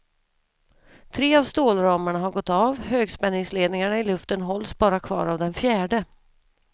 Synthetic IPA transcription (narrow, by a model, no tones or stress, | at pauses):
t̪ʰɾeːavst̪oːlɾɑːməɳaɦaɾɡɔt̪ːɑvhøːɡspɛnːɪŋsleːd̪nɪŋaɳaɪlɵft̪ənɦɔlsbɑːɾakʰvɑ̰ːɾavd̪ɛnfjæːɖə